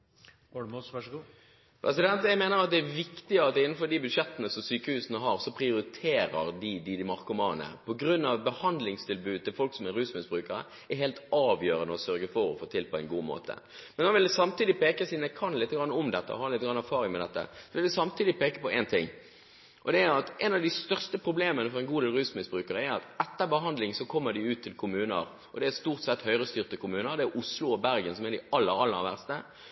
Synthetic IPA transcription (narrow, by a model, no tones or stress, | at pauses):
pʰɾɛsɪd̪ɛnt̪jæɪmeːnəɾɑt̪̚d̪ɛæʋɪkt̪ɪəɑt̪ɪnːn̩fɔd̪ɪbʉd̪ʂɛt̪ːənəsɔmsyːkəhʉːsənəɦɑɾsɔpʰʁɪʊɾɪt̪ʰeːɾəɾd̪ɪd̪ɪd̪ɪmɑʁkʊmɑːnə̰pʰɔɡɾʉnːɑʋbəhɑnd̪lɪŋst̪ʰɪlbʉːd̪̚t̪ɪlfɔlksɔmɛæɾʉːsmɪsbʁʉːkəɾə̰ | æɾɦeːlt̪ɑːʋjøːɾənəɔsœɾɡəfɔɾɔfoːt̪ʰɪlpʰɔɛɪnɡuːmo̰ːt̪ʰə̰ | mɛnhɔʋɪld̪ɛsɑmt̪iːd̪ɪpeːkəsiːnɛkʰɑnlɪt̪ːəɡɾɑnːɔmd̪ɛt̪ːə̰ɔ̰hɑːlɪt̪ːəɡɾɑnæɾfɑːɾɪŋmɛd̪ɛt̪ːə̰sɔʋɪld̪ɛsɑmt̪ʰiːd̪ɪpʰeːkəpɔʔɛnt̪ʰɪŋ | ʔɔd̪ɛæɾɑt̪ʔɛnɑʋd̪ɪst̪œʁst̪əpʰɾʊbleːmənəfɔɾɛɪnɡuːd̪eːlɾʉːsmɪsbɾʉːkəɾəæɾɑt̪ɛt̪ːəbəɦɑnd̪lɪŋsɔkʰɔmːəd̪ɪʉːt̪ʰːɪlkʰʊmʉːnə̰ɾ | ʔɔd̪ɛæst̪uːʁt̪sɛt̪hœʏɾəst̪yːʁt̪əkʰʊmʉːnəɾd̪ɛæʔʊslʊɔbæɾɡənsɔmɛd̪ɪɑlːəɾɑlːəʋæʁst̪ə